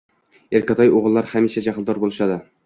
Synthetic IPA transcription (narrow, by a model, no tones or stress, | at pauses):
eɾkʰʲat̪ʰɒjoʁɨlˠːaɾhamiʃad͡ʒaqɨlˠd̪ɒɾbolˠɪʃad̪ɪ